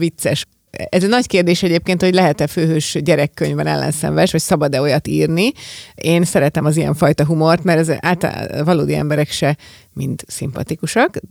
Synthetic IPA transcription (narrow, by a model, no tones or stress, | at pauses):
vit̪sɛʃ | ɛzɛnɒckeːrd̪eːʃɛɟeːp̚keːnt̪ho̞ɟlɛɦɛt̪ɛføːɦøːʃɟɛɾɛkːøɲvbɛnɛ̰lːɛ̰nsɛ̰ɱvɛʃʋɒcsɒbɒd̪ɛo̞jɒt̪ḭːrniʔeːnsɛɾɛt̪ɛmɒzijɛ̰ɱfɒjt̪ɒɦumo̞rt̪mɛɾɛza̰ːlt̪l̰vɒloːd̪iɛ̰mbɛɾɛkʃɛ | mint̪simpɒ̰t̪ikuʃɒk